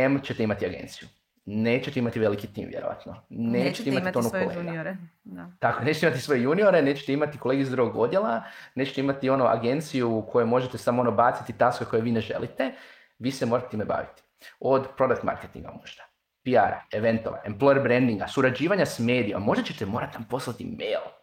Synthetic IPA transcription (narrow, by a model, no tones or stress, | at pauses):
emt͡ʃet̪eimat̪iaɡḛnt̪siju | ne̞ːt͡ɕet̪eimat̪iʋe̞likit̪ḭːmʋjeɾoʋa̰t̪noneːt͡ʃe̥t̪eimat̪t̪onukoleɡɾt̪akoenet͡ʃet̪imat̪isʋo̞jejunio̞ɾene̞ːt͡ʃet̪eimat̪iko̞le̞ːɡeszd̪ɾuɡoɡo̞d̪je̞lˠane̞ːt͡ʃet̪eimat̪io̞noʔa̰ɡe̞nt̪sijukʰo̞jumo̞ʒet̪esamoonobat̪sit̪it̪askeko̞jeʋiːneʒe̞̰lʔit̪e | ʋiːsemoɾat̪et̪imeba̰ʋḭt̪i̥ | o̞d̪pɾo̞d̪akt̪ma̰ɾket̪ḭŋɡa̰moʒd̪̥ḁ | piaɾa̰eʋe̞nt̪o̞ʋa̰emplo̞jeɾbɾend̪iŋɡasuɾad͡ʒiːʋaɲasme̞ːd̪ijomamːo̞ʒd̪at͡ɕe̞t̪emo̞ːɾat̪iʋamposlˠat̪ḭmeːl